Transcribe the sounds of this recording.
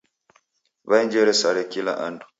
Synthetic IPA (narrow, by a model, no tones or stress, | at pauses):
βaiɲd͡ʒɛɾɛsaɾɛkila̰ʔandu̥